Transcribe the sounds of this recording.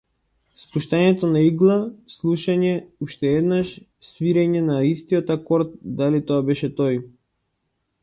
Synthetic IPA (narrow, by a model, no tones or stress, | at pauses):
spuʃt̪aɲɛt̪ɔnaiɡlˠaslˠuʃaɲɛuʃt̪ɛɛd̪naʃ | sviɾɛɲɛnaist̪iɔt̪akɔɾt̪̚d̪alit̪ɔabɛʃɛt̪ɔj